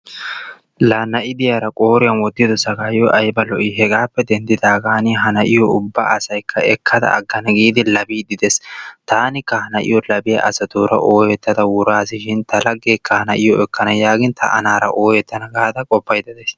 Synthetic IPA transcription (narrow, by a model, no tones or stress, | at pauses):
lɐnɐʔɪd̪ɪjaːɾɐkʼo̞ːɾɪjɐnwɔd̪ːɪd̪ɔsɐɡaːjjɔʔɐjbɐlɔʔɪɦɛɡaːpːɛd̪ɛnd̪ɪd̪aːɡaːnɪɦɐnɐʔɪjɔʊbːa̰ːɐsɐjkʰːɐɛkʰːɐd̪ɐ̰ɐ̰ɡːɐnɐɡiːd̪ɪlɐbiːd̪ɪd̪ɛst̪aːnɪkːɐhɐnɐʔɪ̰jɔlɐbɪjɐ̰ʔɐ̰sɐt̪uːɾɐʔoːjɛt̪ːɐd̪ɐwʊɾaːs̬ɪʃɪnt̪ɐlɐɡːeːkʰːɐhɐnɐʔɪjɔɛkːɐnɐjaːɡɪnt̪ʰɐ̰ʔɐ̰naːɾɐ̰ʔoːjɛt̪ːɐnɐɡaːd̪ɐkʼɔpːɐjd̪ɐd̪es